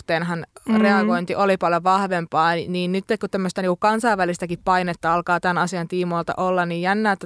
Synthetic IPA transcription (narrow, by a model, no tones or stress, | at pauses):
t̪ˑeːnɦɑnreɑɡoint̪iʔolipɑljoʋɑhʋempɑːniːnnyt̪ːekkut̪æmːøst̪æniːŋkukɑnsɑiʋʋælist̪ækippɑinet̪ːɑɑlkɑːt̪ænɑsiɑnt̪iːmolt̪ɑ̰ʔolːɑnniːjjænːæːt̪ːæ